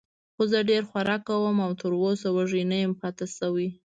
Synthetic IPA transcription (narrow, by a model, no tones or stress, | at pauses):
xozəɖeɾxwaɾɑkːawəmawt̪əɾosawaʒinəjəmpɑt̪asawi